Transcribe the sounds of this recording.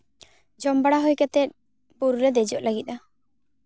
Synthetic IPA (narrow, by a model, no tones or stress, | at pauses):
d͡ʒɔmbaɽaɦojkat̪ɛt̪̚ | buɾɾɛd̪ɛd͡ʒɔʔlaɡit̪̚a